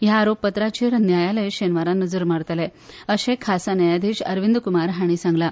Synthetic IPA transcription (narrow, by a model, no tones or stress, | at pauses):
jaːɾopːət̪ɾat͡ɕiːɾnjajaləjɕenʋaɾanəd͡zəɾmaɽt̪leəɕekʰasanəjad̪ʱiɕəɾʋind̪kumaɾɦaɽ̃iːsãŋɡla